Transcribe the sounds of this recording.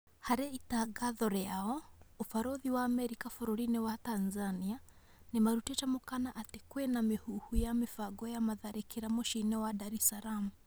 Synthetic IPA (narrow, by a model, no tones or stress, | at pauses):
haɾɛitaɡaðɔɾeaɔofaɾoðiwaːmɛɾikafoɾɔɾinɛwatanzania | nemaɾutɛt͡ʃamokanaʔatekwenamehuhujamefaɡɔjamaðaɾekeɾamoʃinɛwadaɾɛsaɾamu